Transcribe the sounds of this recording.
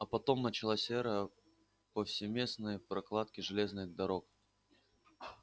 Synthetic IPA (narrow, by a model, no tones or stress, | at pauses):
ɐpɐt̪o̞mnət͡ɕɪlˠasʲɛɾə | pəfsʲɪmʲe̞snɨjəpɾɐklˠat̪̚kʲɪʐɨlʲe̞znɨɣd̪ɐɾo̞k